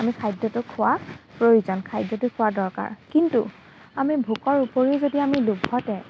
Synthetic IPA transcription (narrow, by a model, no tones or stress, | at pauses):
amikʰajdɔtʊkʰːʊwapɹojuzɔnkʰajdːɔtʊkʰʊwadɔɹka̰ɹkintṵ | amibʱukɔɹupoɹizodiamilubʱhɔtɛ